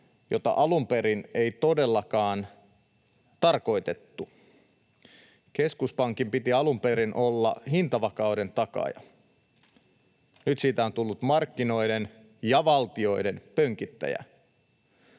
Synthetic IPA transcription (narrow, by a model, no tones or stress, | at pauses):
jo̞t̪ɑ̰ʔɑlumpe̞ɾinejt̪o̞de̞lːɑkɑːn | t̪ɑrko̞it̪e̞t̪ːu | ke̞skuspɑŋkimpit̪iɑlumpe̞ɾinʔo̞lːɑ̰hint̪ɑʋɑkɑwde̞nt̪ɑkɑ̰jɑ̰ | nyt̪siːt̪æo̞nt̪ulːut̪mɑrkːino̞jden | jɑʋɑlt̪io̞jde̞npøŋkit̪ːæ̰jæ̰